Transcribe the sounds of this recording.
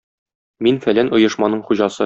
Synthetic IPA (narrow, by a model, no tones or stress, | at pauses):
minfælænŏjɤ̆ʃmɑnɤɴχuʑɑsɤ